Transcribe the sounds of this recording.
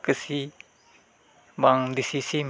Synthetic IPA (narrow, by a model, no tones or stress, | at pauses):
kəsi | baŋdisisim